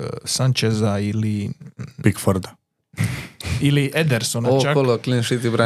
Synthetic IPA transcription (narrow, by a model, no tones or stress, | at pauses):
sant͡ʃezailipikfoɾd̪a | iliʔed̪eɾsonaot͡ʃakoloklinʃit̪ibɾa